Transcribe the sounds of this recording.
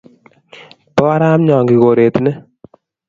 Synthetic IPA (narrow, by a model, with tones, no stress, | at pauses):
tɔ˦a˦ɾa˦mɲɔ˨ŋɡi˨ko˨ɾe˨t̪ne˦